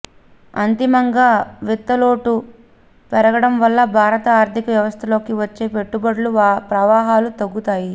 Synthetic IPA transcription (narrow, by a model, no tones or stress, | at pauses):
ɐnt̪imɐŋɡaːʋit̪ːɐlo̞ːʈu | pɛɾɐɡɐɽɐmʋɐlːɐbʱaːɾɐt̪ɐaːɾt̪ikɐʋjɐʋɐst̪ʰɐlo̞ːkiʋɐt͡ʃːe̞ːpe̞ʈːubɐɽluʋpɾɐʋaːɦaːlut̪ɐɡːut̪aːji